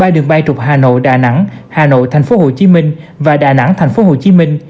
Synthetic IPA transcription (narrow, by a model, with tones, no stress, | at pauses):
ɓaː˧jɗɨ˨˩əŋɓa˧jt͡ɕʊ˨˩k͡p̚haː˨˩no̰˧˨jɗa̰ː˧˩na̰˧˥ŋhaː˨˩no̰˧˨jt̪ʰɛ˨˩ŋ̟fo˨˦ho˨˩t͡ɕi˨˦mï˧ŋ̟ | vaː˨˩ɗaː˨˩na̰˧˥ŋt̪ʰɛ˨˩jŋ̟fo˨˦ɦo˨˩t͡ɕi˨˦mï˧ŋ̟